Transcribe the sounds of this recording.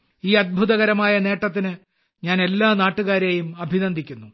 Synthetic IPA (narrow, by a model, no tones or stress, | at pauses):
iːɐd̪̚bʱuðɐɣɐɾɐmaːjɐne̞ːʈːɐt̪̬ːinɨ | ɲaːne̞lːaːnaːʈːuɣaːɾejumɐbʱinɐnd̪ʱikʲːunːu